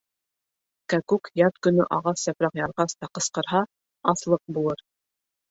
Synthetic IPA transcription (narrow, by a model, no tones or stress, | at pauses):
kækʉkjɑt̪kɵ̆nɵʔɑʁɑsːæpɾɑqjɑɾʁɑst̪ɑqɤ̆sqɤ̆ɾɦɑ | ɑslˠɤq̚bulˠɤɾ